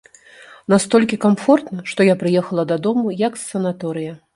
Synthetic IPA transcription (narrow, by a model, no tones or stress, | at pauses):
nast̪ɔlʲkʲikamfɔrt̪nɐʂt̪ɔjapɾɨjɛxɐlˠɐd̪ad̪ɔmujɐksːɐnat̪ɔɾɨjɐ